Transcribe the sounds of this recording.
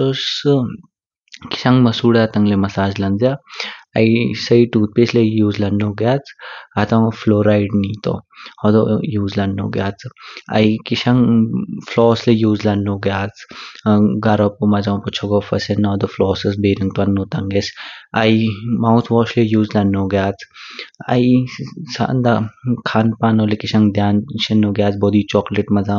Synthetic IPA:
t̪os | kɪ̥ʃɐ̃ŋɡmɐsuːɽat̪ɐŋɡlemɐsaːd͡ʒlɐnd̪jaɐ̰isɐiʈuːt̪̚peslejuːzlɐnːoːɡjaːt͡sʰɐt̪ãfʰloːɾaːiɖniːt̪o̰ɔd̪ojuːzlɐno̰ːɡjaːt͡sʰɐ̰ikiʃɐŋflɔːslejuːzlɐnoːɡjaːt͡s | ɡɐɾopumɐzãːpʊt͡ʃʰoɡoːfɐsɐnɔːd̪oflɔːsɐsbeːɾɐŋt̪ɐnːoːt̪ɐŋɡesɐimaũt̪ʰʋɔːʃlejuːzlɐnːoːɡjaːt͡sʰɐ̰isa̰nd̪akʰaːnpaːnoːlekɪʃɐŋɡd̪jaːnʃɐnoːɡjaːt͡sboːd̪iːt͡ʃɔːkleʈmɐzaː

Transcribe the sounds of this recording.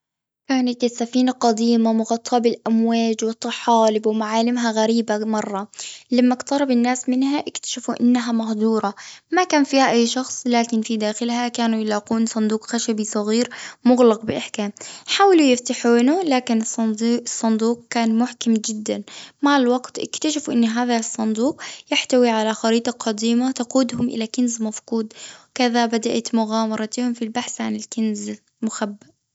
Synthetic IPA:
kaːnat̪asːafiːnaqad̪iːmamʊɣɑt̪ˤʰːɑbɪlʔamwaːd͡ʒwɨt̪ˤːɑħɑːlɪbwɪmaʕaːlɪmɦaɣaɾiːbamɑrˤːɑlamːakt̪ɑɾˤɑbɪnːaːsmɪnhaʔakt̪ḁʃafuʔɪ̰nːaɦamahd̪ˤuːɾˤɑmakaːnfiːhaʔajːʃɑxsˤlaːkɪnfid̪aːxɪlhakaːnujɪlaːquːnsˤɑnd̪uːqxaʃabisˤɑɣiːɾmʊɣlɑq̚bɪʔaħkaːmħaːwalujɪft̪aħuːnʊlaːkɪnsˤsˤːɑnd̪uːq̚kaːnmʊħkamd͡ʒɪd̪ːanmaʕɪlwɑɡt̪ʔɪ̰kt̪aʃɪfʔɪnːɦaːðasˤːɑnd̪uːqjɪħt̪awiʕalaxɑɾiːt̪ˤɑqʰɑd̪iːmat̪ɑquːd̪ɦʊmʔɪ̰lakɪnzmafquːd̪wkaðabad̪aʔat̪mʊɣaːmɑɾˤɑt̪ɪhʊmfilbaħsʕa̰nɪlkɪnz | mʊxabːaʔ

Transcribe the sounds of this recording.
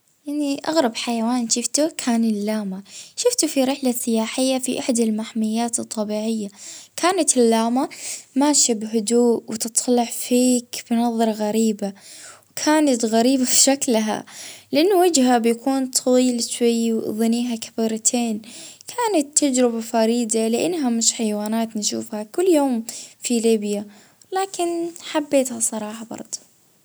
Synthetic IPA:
jaʕniʔa̰ɣɾˤɑbħajawaːnʃɪft̪ukʰaːnɪlːaːmaʃʊft̪ufiɾɪħlasːɪjaːħɪjːafiʔaħd̪almaħmɪjːaːt̪ɨt̪ˤːɑbiːʕɪjːakʰaːnat̪ɪlːaːmamaːʃabɦʊd̪uːʔwt̪ɨt̪ˤːlɪʕfiːkb̥nɑðˤːɑɾˤɑɣaɾiːbawkʰaːnat̪ɣaɾiːbafʃaklɦa̰lɪʔanːʊwɪd͡ʒɦabjakuːnt̪ˤʰɑwiːlʃwajːwðˤɨniːɦakʰḁbiːɾˤɑt̪ʰeːnkʰaːnat̪ːad͡ʒɾɪbafaɾiːd̪alɪʔanːɦamɪʃħajwaːnaːt̪nʃṵːfhakʊlːjoːmfiliːbja | laːkɪnħabːeːt̪hasˤɑɾˤɑːħɑbɑ̰ɾˤd̪ˤu̥

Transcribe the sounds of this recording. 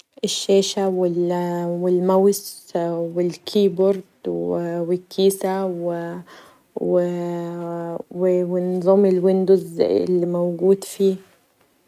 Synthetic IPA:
ʔɪʃːeːʃawɪwɪlmawswɪlkʰiːboɾˤd̪wwɪkʰːiːsaw | wɪ | wɪwɪnːɨðˤuːmɪlwɪnd̪ʊzɪ̰lːimawɡuːd̪fiː

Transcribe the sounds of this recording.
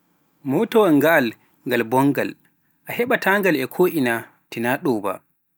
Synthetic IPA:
mɔtɔwaɡaːl | ŋɡalbɔŋɡal | ʔahɛɓataŋɡalɛkʰoːʔina | tinaɗɔba̰

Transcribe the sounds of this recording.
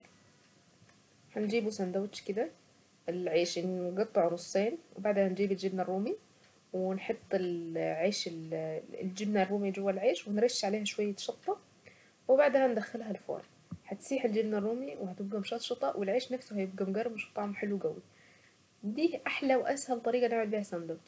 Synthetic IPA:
ħand͡ʒiːbusænd̪æwɪt̪ʃkɪd̪æ | ɪlʕeːʃnɡɑt̪ˤːɑʕɾˤʊsˤːeːnwbaʕd̪hhænd͡ʒiːbɪld͡ʒɪbnarˤːuːmi | wɪnħot̪ˤːɪlʕeːʃɪlld͡ʒɪbnærˤːuːmid͡ʒʊwːælɪlʕeːʃwænɾeʃːʕaleːhæʃwæjːæʃɑt̪ˤːɑ | wɪbaʕd̪ɪhænd̪æxːɪlɦælfo̰ːɾˤ | ħat̪siːħɪld͡ʒɪbnarˤːuːmiwɪhæt̪ɪb̚ɡæmʃɑːt̪ˤʃɑt̪ˤɑʔwʔɪlʕeːʃnæfsʊhæjɪb̚ɡæmɡɑrˤːbʃɑ̥t̪ˤːɑʕmħɪlːuwɡæwi | d̪iːʔaħlæwʔæshælt̪ˤɑɾiːɡɑnɪʕmad̪̚biːhæsænd̪æw

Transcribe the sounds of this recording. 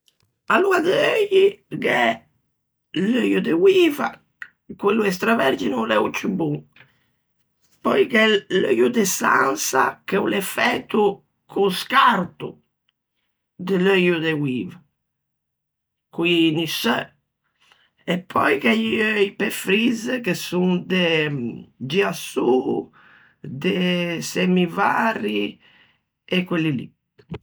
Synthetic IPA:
aluad̪eøjiɡɛ | løjud̪ewiːva̰ | kwelːuɛs̬t̪ɾavɛɾd͡ʒinulɛut͡ʃubu | pːɔjkɛlø̰jud̪ɛsa̰nsa̰kɛulɛfɛt̪ːu | kʰuskaɾt̪ṵ | d̪eløjud̪ewiːva | kuinisœ | ɛpʰːɔ̰jkɛjøipefɾizkesund̪e | d͡ʒiasu | d̪esɛmivari | ɛkːwelːilḭ

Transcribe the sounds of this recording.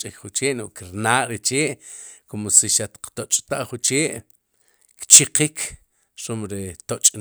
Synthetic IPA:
t͡ʃʼikχut͡ʃeːʔnoʔkiɾnaːʔɾet͡ʃeːʔkomosiʃat̪qt̪ot͡ʃʼt̪aʔχut͡ʃeːʔ | kt͡ʃiqikʰ | ɾomɾet̪ot͡ʃʼ

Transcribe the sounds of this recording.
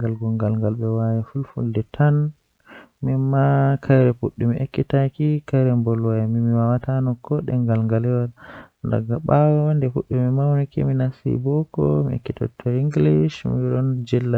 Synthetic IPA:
ŋɡalɡɔŋɡalŋɡalɓɛwajafulfṵldɛtʰan | mimakʰajɾɛfuɗːumiʔekːitakikajɾɛmbɔlwajamimiwawatanɔkːɔɗɛ̰ŋɡalŋɡalɛwalnda̰ɡaɓawɔndɛfuɗːumimawnikḭminasḭbɔkɔ̰mḭḛkːitʰɔ̰tʰːɔiŋɡliʃmiɗɔnd͡ʒɛlːa

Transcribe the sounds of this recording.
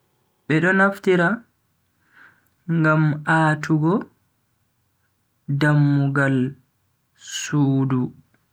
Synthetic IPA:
ɓɛɗɔnaftiɾa | ŋɡamaːtʰuɡɔ | damːuɡal | suːdu

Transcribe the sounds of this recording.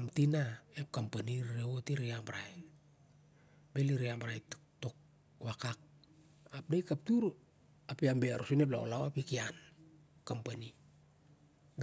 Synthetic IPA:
amtinaep̚kampaniɾeotiɾiambaɾaj | beliɾiambaɾaj | to̞k̚ | wakak̚ | ap̚dajkap̚tuɾ | apiambeaɾusunep̬la̰o̰lawapikian | kampani

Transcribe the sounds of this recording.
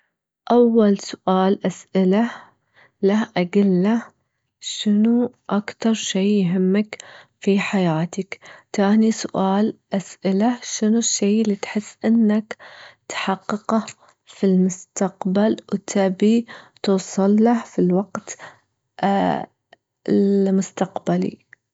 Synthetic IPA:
ʔawːalsʊʔaːlʔasʔɪla | lahʔaɡɪlːa | ʃɪnuʔakt̪ɑɾˤʃeːjɦɪmːakfiħajaːt̪akt̪aːnisʊʔaːlʔasʔɪlaʃɪnuʃːeːɪlːit̪ħɪsːʔɪnːakt̪ħɑqːɨqɑ | filmʊst̪aqbalwt̪ʰabit̪uːsˤɨlːahfilwaɡ̥t̪ | ɪlmʊst̪aqbalḭ

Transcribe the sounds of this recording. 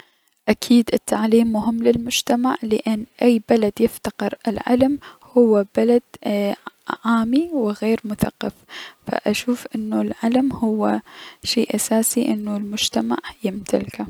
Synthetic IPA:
ʔakʰiːd̪ʔɪt̪ʰːaʕliːmːʊɦɪmːlɪlmʊd͡ʒt̪amaʕlɪʔɪnːʔajːbalad̪jɪft̪aqɨɾɪlʕa̰lamhʊwːab̥alad̪̥̚ | ʕaːmiwɪɣeːɾmʊθaqːɑffa̰ʔaʃuːfʔɪnːulʕalamhʊwːaʃeːʔasaːsiʔɪnːulmʊd͡ʒt̪amaʕjɪmt̪ʰalka

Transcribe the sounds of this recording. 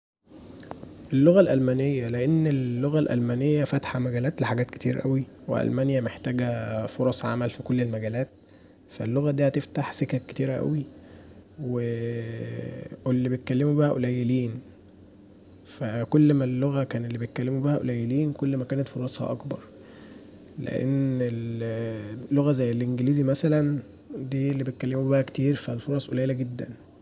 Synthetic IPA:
ʔelːoɣælʔælmæːnejːæleʔenːelːoɣælʔæ̰lmænejːæfæt̪ħæmæɡæːlæːt̪leħaɡæːt̪ket̪ḭːɾæʔæwiwḛʔæ̰lmænjæmeħt̪æːɡæfoɾˤɑsˤʕa̰mælfikolːelmæɡæːlæːt̪̚ | fælːoɣæd̪iːhæt̪eft̪aħsekækːe̥t̪iːɾæʔæ̰wi | we | elːibejt̪̚kælːemubæhæʔolæjːeliːn | fækolːmælːoɣækæːnelːibet̪̚kælːemubæhæʔo̰læjːeliːnkolːmækæːnæt̪foɾˤɑːsˤhɑ̰ʔɑ̰kbɑɾˤ | lḛʔḛnel | lːoɣæzæjːelʔenɡeliːzimæsælæn | d̪iːlːibet̪̚kælːemubæhæke̥t̪iːɾfælfoɾˤɑːsˤʔolæjelæɡed̪ːæ̰n

